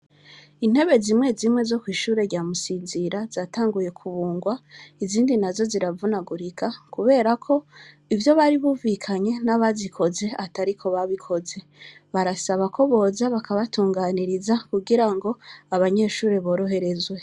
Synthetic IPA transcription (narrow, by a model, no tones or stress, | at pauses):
in̥he̞βe̞ziːmŋe̞zimŋe̞zo̞kwiːʃuːɾe̞ɾɟaːmusiːnziɾazaːtaːŋɡuje̞kʰuβuːŋɡwaiziːndinazo̞ziɾavunaɡuɾikʰakuβe̞ːɾakʰo̞ | ivjo̞βaɾiβuːvikʰaɲe̞naβazikʰo̞ze̞ataɾikʰo̞βaβikʰo̞ze̞ | βaɾasaβako̞βo̞ːzaβakʰaβatuːŋɡaːniɾizakuɡiɾaŋɡo̞aβaɲe̞ʃuːɾe̞βo̞ːɾo̞ɦe̞ɾe̞zwe̞